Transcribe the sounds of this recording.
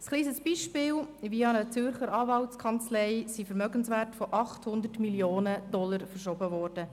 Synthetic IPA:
skliːsəsb̥iːʃpɪːlviɑnət͡sʏrχəɾɑːvɑltkʰɑnt͡slɛɪsifəɾmœɡənsʋɛːrtfɔʔɑχthʊnd̪ətmiljoːnəd̥ɔləɾfərʃɔbəʋɔːrd̥ə

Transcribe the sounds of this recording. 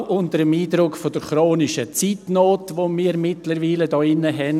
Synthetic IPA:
ʔʊntəɾəmiːdɾʊkfodəɾχɾoːnɪʃət͡siːtnoːtʋomiːɾmɪtləɾʋiːlədɔːɪnːəɦɛn

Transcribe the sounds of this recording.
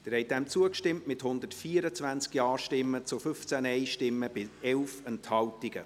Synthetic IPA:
d̪̥əɾhɛɪj̚dɛmt͡suəkʃtɪmtmɪthʊnd̪ətfiːəɾət͡svænt͡skjɑːʃtɪmːət͡sʊfʏft͡sænɛɪʃtɪmːəb̥ɪɛlfənthɑltɪɡ̥ə̰

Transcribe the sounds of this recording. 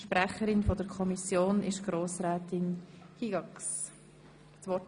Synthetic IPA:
ʃpɾɛχəɾɪnfodəɾkʰɔmisjoːnɪʃɡ̥ɾoːsɾɛːtɪnkʰiɡɑks | sʋɔt

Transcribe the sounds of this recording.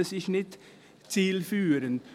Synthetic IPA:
əsɪçnɪt | t͡siːlfyːɾən

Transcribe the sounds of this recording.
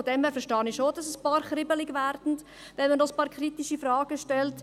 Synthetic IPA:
ɔdɛmhæːɾfɛɾʃtɑːnɪʃoːd̥ɑsəspɑːɾχɾɪbəlɪɡʋæɾd̥n̩t | ʋɛnməndɔəspɑːɾkʰɾitiʃifɾɑːɡ̥əʃtɛlt

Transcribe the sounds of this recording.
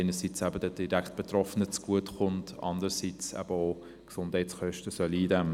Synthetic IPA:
ɪnəsit͡sæbədəd̥iɾækt̚b̥etrɔfənət͡sɡ̥uətχʊntɑ̰ndəɾsit͡sɛ̰b̥əo | ksʊnd̥hɛɪtsχœʃtəsœliːdɛm

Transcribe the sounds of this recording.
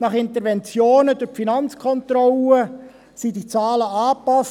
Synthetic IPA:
nɑχɪntəɾvɛnt͡sjoːnədʊɾfinɑnt͡skʰɔnt̪rɔlə | sidit͡sɑːləɑːpɑs

